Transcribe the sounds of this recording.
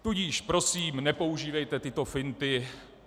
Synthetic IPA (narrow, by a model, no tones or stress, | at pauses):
t̪uɟiːʃpɾo̞siːmnɛpo̞uʒiːvɛjt̪ɛt̪ɪt̪o̞fɪnt̪ɪ